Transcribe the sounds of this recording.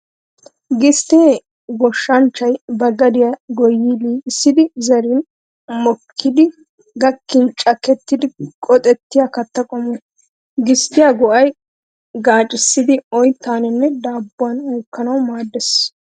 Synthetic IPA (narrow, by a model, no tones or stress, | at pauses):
ɡɪst̪eː | ɡɔʃːɐnt͡ʃːɐjbɐɡɐd̪ɪjɐɡɔjːɪliːsːɪd̪ɪzɐɾɪn | mɔkʰːɪd̪ɪ | ɡɐkːɪnt͡ʃʼɐkɛt̪ːɪd̪ɪkʼɔt̪ʼɛt̪ːɪjakɐt̪ːɐkʼɔmɔ | ɡɪst̪ɪjɐɡɔʔɐj | ɡaːt͡ʃʼːɪsːɪd̪ɪɔjt̪ːaːnɛnːɛd̪aːbːʊɐnuːkːɐnɐwmaːd̪ːɛs